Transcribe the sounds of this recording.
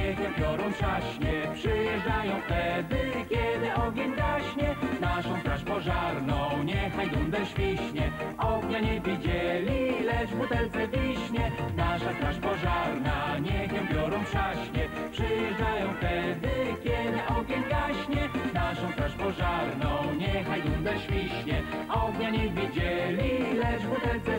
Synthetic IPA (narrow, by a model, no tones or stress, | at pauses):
ɲɛxɛpʲjɔɾɔ̃w̃pʂaɕɲɛpʂɘjɛʐdajɔ̃w̃ft̪ɛd̪ɘkʲjɛd̪ɘʔɔɡʲjɛɲɡaɕɲɛnaʂɔ̃w̃t̪ɾaʂpɔʐaɾnɔ̃w̃ɲɛxajd̪ɔ̃ñd̪ɛʂvʲiɕɲɛɔɡɲaɲɛvʲid͡ʑɛlʲilɛʐbut̪ɛwt̪sɛvʲiɕɲɛnaʂat̪ɾaʂpɔʐaɾnaɲɛxɛmbʲjɔɾɔ̃w̃pʂaɕɲɛ | pʂɘjɛd̪ajɔ̃w̃ft̪ɛd̪ɘkʲɛd̪ɪʔɔɡʲjɛmɡaɕɲɛnaʂɔ̃w̃t̪ɾaʂpɔʐaɾnɔ̃w̃ɲɛxajd̪und̪ɛʂfʲiɕɲɛɔɡɲaɲɛvʲid͡ʑɛlʲilɛʐvut̪ɛlt̪sɛ